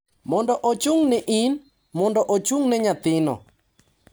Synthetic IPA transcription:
mɔndɔʔot͡ʃuŋnɛʔin | mɔndɔʔot͡ʃuŋnɛɲat̪ɪnɔ̰

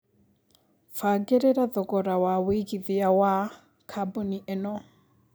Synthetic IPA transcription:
faɡɛɾɛɾaðɔkʼɔɾawawikiðiawa | kʰabɔniʔɛnɔ

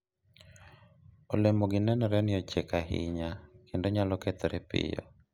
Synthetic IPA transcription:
olemoɡɪnɛnɔɾɛnɪɔt͡ʃekahɪ̰ɲakʰendoɲalɔkɛt̪ɔɾɛpɪ̰jɔ̰

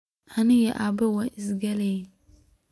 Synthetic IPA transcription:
anɪ̃jɛʔabɛwãʔɪsɡale

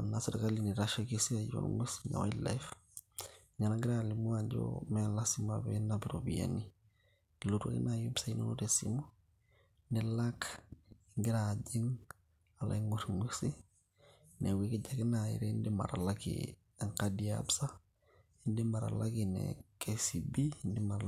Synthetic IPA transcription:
anasaɾkaliniɾaʃokisiajo̰nŋusi̥ɲa̰waila̰jf | ɲanaŋɡiɾalimuaɟo̰malasima̰benapiɾobija̰ni | lutṵlḭnajupsaino̰notesḭmu | nɛlak | ŋɡiɾaɟiŋ | ala̰ŋɡuɾŋusi | newikiɟakenajḭɾendima̰ɾalakḭ | aŋkadia̰bsa | indimaɾa̰lakinḛkʰesibindimaɾ

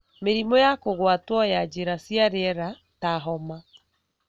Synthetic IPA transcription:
meɾimɔjakoɣwatwɔjad͡ʑeɾasjaɾeɛɾa | taɦɔma

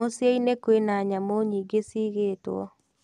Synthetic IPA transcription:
osɛinekwenaɲamoɲiɡesiɣeːtoɔ̰

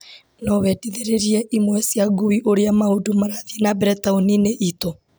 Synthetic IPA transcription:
nɔβɛdiðeɾeɾiɛʔimwɛsjaɡuiʔoɾeamaudumaɾaðienabɾɛtaonineʔito

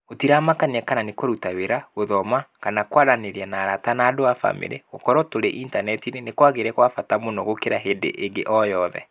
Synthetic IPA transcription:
otiɾamakaniɛkananekoɾutaweɾaɣoðɔmakanakwaɾaneɾianaːɾatanaːdoafa̰mḛɾḛɣokɔɾɔtoɾeʔintanɛtinenekwaɣeɾɛkwafatamonɔɣokeɾaɦedḛʔeŋɡeʔɔjɔðɛ̰

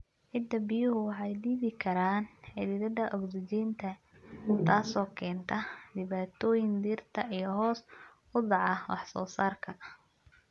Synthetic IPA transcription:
ʕɪd̪ɐbɪjʊɦʊwɑħɑjd̪iːβɪkʰɐɾaːnħɪd̪ɪdɐd̪ɐʔɔɡsɪt͡ʃɛːnt̪ʰɐ | t̪ʰaːsɔːkʰɛːnt̪ʰɐɖɪβaːt̪ʰɔːjɪnd̪iːrt̪ʰɐijɔɦɔːs | ʊd̪ɑʕɑwɑ̰ħsɔ̰ːsaːrkʰɐ

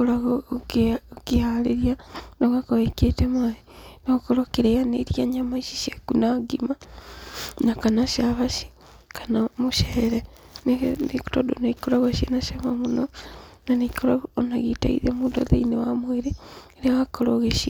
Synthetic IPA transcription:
olaɣokkihaleɾjanoɣakoβeketemainokoɾokeɾejaneɾiaɲamaiʃiʃekunaɡima | nakanaʃaβaʃi̥ | kʰanamuʃeɾe | neneku̥todoneikoɾaɣaʃienaʃamamunonanekolaonaɣita̰ḭðemuːndoðḛinewamweɾe | ɾiaɣakoɾoɣeʃi

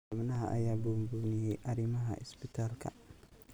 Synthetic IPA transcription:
ɐmnɐɦɐʔɐ̰jaːbumbunɪjɛjʔɐɾimɐɦɐ̰ɪ̰spɪt̪ʰaːlkʰɐ̰

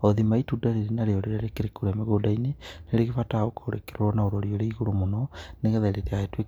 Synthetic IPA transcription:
ɔðimaitudaɾeɾenaɾeɔɾeɾaɾekeɾekoɾemeɣodaineneɾeɣefataokaoɾḛkeɾɔnaoɾɔɾioɾeiɣoɾomonɔneɣɛðaiɾeɾeaetwe

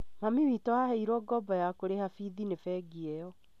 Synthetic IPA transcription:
mamiwiːtɔhahɛiɾwɔɡɔbɔjakoɾehafiðinefɛːɡiɛjɔ

